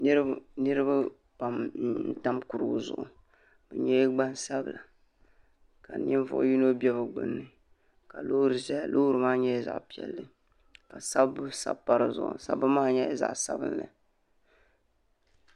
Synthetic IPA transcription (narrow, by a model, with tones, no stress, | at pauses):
nɨ˦ɾɨ˦ba˦ | pa˨mn̩˦ta˦mku˨ɾɨ˨ɡzʊ̰˨ʔʊ˨ | b̥ɛ˨ɲɛ˦jɡ͡ba˦nsa˦bɨ˨la˨ | ka˨n˦ɛ˦ɱ˦vʊ̰˦ʔʊ̰˦ji˦no˦bi˦ɛ˦βɨ˨ɡ͡bɨ̰˦nːɨ˨ | ka˨lo˦hɾɨ˨zlʔo˦ɾɨ˨maː˦ɲɛ˦jza̰˨ʔpi˨ɛ̰˨lːɨ˦ | ka˨sa˦bɨ˦sa̰˦˨bpːa˦ɾɨ˦zʊ̰˨ʔʊ̰˨sa̰˦bɨ˦maː˦ɲɛ˦za̰˨ʔsa̰˦bɨ̰˦nlɨ̰˨